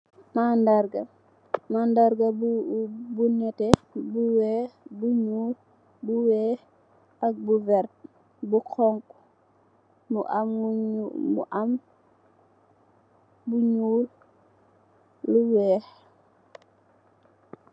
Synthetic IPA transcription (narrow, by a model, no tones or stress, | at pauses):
nandaɾɡa | nandaɾɡabubunɛtɛbuwɛbuɲuːl | buwɛː | ak̚buvɛɾt̚ | bukɔŋk | muʔam | mṵʔam | buɲuːl | luwɛːh